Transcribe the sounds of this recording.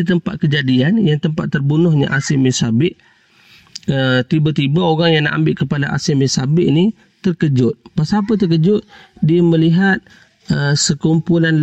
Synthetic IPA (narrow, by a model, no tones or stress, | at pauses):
it̪əmpa̰t̪̚kəd͡ʒadianjaŋt̪əmpat̪ːərbunʊhɲa̰ʔasɪmisabɪʔ | ət̪ibat̪ibaoɣaŋjaŋnaʔa̰mbɪʔkəpada̰ʔa̰sɪmɪsabɪʔni | t̪ərkəd͡ʒʊt̪̚pasapət̪̬ərkəd͡ʒʊt̪̚diaməliɦat̪̚ | əsəkumpulanl